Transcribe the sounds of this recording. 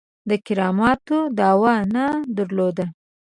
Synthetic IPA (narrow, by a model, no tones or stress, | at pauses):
d̪əkɪɾɑmɑt̪od̪ɑwanad̪əɾlod̪a